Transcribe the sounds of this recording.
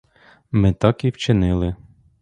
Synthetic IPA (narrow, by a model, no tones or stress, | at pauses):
mɪt̪ɑkiwt͡ʃɪnɪlˠɪ